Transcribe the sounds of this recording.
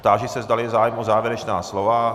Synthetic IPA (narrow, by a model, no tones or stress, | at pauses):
t̪aːʒɛsɛzdalɪzaːjɛmʔozaːvjɛɾɛt͡ʃnaːslova